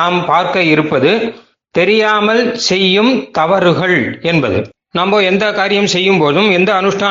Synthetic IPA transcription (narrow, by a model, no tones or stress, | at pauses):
aːmpaːɾkɐɪɾɯpːɐðɯ | t̪ɛɾɪjaːmɐlsɛjːɯmt̪ɐʋɐɾɣɐɭɛnbɐðɯ̰ | naːmboːɛnd̪ɐkaːɾɪjɐmsɛjːɯmpoːðɯmɛnd̪ɐːnɯʂʈʰaː